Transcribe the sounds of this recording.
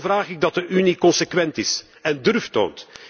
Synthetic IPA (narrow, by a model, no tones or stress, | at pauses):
vraːɣɪɡ̚dɑt̚dəʔynikɔnsəkʋɛntɪs | ɛndɵrfto̰ːnt